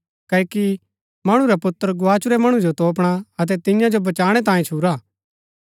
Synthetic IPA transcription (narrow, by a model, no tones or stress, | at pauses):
kɐːki | mɐɽ̃ũɾapʊt̪ːəɾɡʊaːt͡ʃuɾɛmɐɽ̃ũd͡ʒot̪oːp̬ɽ̃aɐt̪̬ɛt̪ɪ̃jãd͡ʒobɐt͡ʃaːɽ̃ɛt̪̬ãːĩt͡ʃʰuɾaː